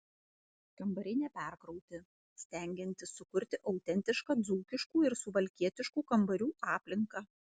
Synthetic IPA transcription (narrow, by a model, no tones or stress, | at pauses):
kɐmbɐɾʲɪnʲɛpʲæɾkɾɔʊt̪ʲɪ | sʲt̪ʲæˑŋʲɡʲɪnʲt̪ʲɪsːʊkʊɾʲt̪ʲɪʔɐʊt̪ʲɛnʲt̪ʲɪʃkɑːd̪zuːkʲɪʃkuːɪɾsʊʋɐlʲkʲiɛt̪ʲɪʃkuːkɐmbɐɾʲuːʔɑːpʲlʲɪŋkɑː